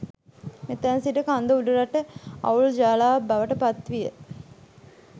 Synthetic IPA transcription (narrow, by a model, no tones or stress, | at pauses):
met̪ːænsiʈəkand̪əuɖuɾaʈəɐ̰uld͡ʒaːlaːbaʋəʈəpat̪ʋijə